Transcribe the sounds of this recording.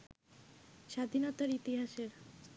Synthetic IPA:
ʃad̪ʱinot̪aɾit̪iɦaʃeɾ

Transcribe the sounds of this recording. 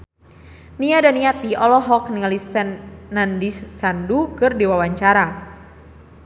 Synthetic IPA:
niadaniat̪iɔlɔɦɔk̚niŋalisɛnːandisːandukɨrdiwawaɲt͡ʃaɾa

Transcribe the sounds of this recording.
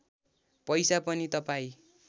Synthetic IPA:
pʌjsapʌnit̪ʌpaĩ

